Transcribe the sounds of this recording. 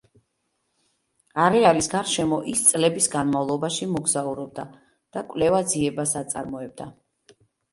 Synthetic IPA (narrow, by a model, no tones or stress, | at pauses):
aɾɛalisɡaɾʃɛmɔʔist̪sʼlɛbisɡanmavlˠɔbaʃimɔɡzauɾɔb̚d̪a | d̪̥akʼvlɛvad̪ziɛbasat̪sʼa̰ɾmɔɛb̚d̪a